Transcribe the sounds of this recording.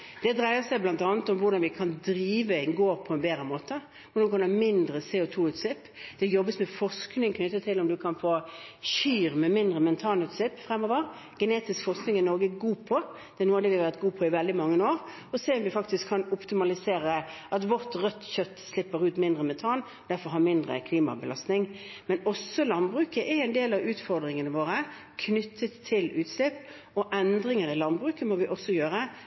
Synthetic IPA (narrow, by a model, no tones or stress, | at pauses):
d̪̥ɛd̪ɾæɪəsæɪblɑnt̪ɑːnət̪ɔmʋʊɾd̪ɑnʋɪkʰɑnd̪ɾiːʋəɪŋɡoːpʰɔɛnbeːɾəmoːt̪ə | mnʊkʰɑnɑmɪnd̪ʁəseːʊt̪ʰuːʉːt̪slɪpː | d̪̥ɛjɔbːəsmɛfɔʁsknɪŋkʰnʏt̪ːət̪ʰɪlɔmd̪ʉkʰɑnfoːçyːɾmɛmɪnd̪ʁəmɛnt̪ʰɑːnʉːt̪slɪpːfʁɛmːɔːʋəʁ | ɡ̥əneːt̪ɪskfɔʁsknɪŋɪnɔɾɡəɡuːpʰɔ | d̪̥ɛnuːɑd̪ɛʋɪɑʋæʁt̪̚ɡuːpʰɔɪʋɛld̪ɪmɑŋːənoːʁ | ɔseːmʋɪfɑkt̪ɪskʰːɑnʊpt̪ɪmɑlɪseːɾəʔɑt̪ʋɔʁt̪ʁœt̪ːçœt̪ːslɪpːəɾʉːt̪mɪnd̪ʁəmɛnt̪ʰɑːn | d̪æɾfɔɾɦɑɾmɪnd̪ʁə̰kʰliːmɑ̰bəlɑst̪nɪŋmɛnɔsɔlɑnbʁʉːkəʔɛɛnd̪eːlɑʋʉːt̪fɔɾd̪ɾɪŋənəʋoːɾə | kʰnʏt̪ʰːət̪ʰːɪlʉːt̪slɪpː | ɔʔɛnd̪ɾɪŋəɾɪlɑnbʁʉːkəmɔʋɪʔɔsːɔjøːɾə